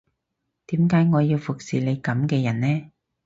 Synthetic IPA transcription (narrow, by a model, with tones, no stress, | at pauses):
t̪iː˨˥mkaː˨˥jŋɔː˨˧jiː˧wfʊ˨k̚siː˨ne˨˧jkɐ˨˧˥mkɛː˧jɐ˨˩nnɛː˥